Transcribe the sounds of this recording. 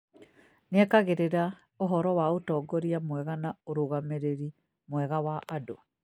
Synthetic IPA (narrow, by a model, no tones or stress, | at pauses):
nɛkaɣeɾeɾa | oɦɔɾɔwaotɔːɡɔɾiamwɛɣanaoɾoɣameɾeɾi | mwɛɣawaʔːdoa